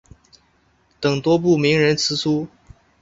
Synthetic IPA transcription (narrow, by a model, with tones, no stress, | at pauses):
t̪ɤ˨˩ŋt̪wɔ˥p̬u˥˩mi˧˥ŋɻə˧˥nt͡sʰɹ̩˧˥su˥